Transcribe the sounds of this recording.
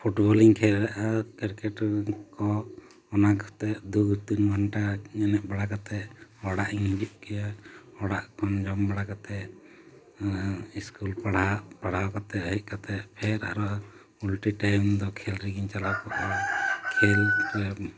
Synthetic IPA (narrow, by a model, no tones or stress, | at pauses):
pʰuʈbɔliŋkʰɛɾaʔakɛɾkɛʈkɔ | ɔnakʰɔ̥t̪ɛʔd̪uɡʱuɾt̪unɡʱanʈaɲɛnɛʔbaɽakat̪ɛʔɔɽaʔiŋid͡ʒup̚kɛjaɔɽaʔkʰɔnd͡ʒɔmbaɽakat̪ɛʔ | iskulpaɽapaɽ̤awkat̪ɛɦiʔ̪̚ˀkat̪ɛʔpʰɛɾa̰ɾɔ | ulʈɾiʈajmd̪ɔkʰɛlɾiɡiɲt͡ʃalakɔʔɔkʰɛlpɛ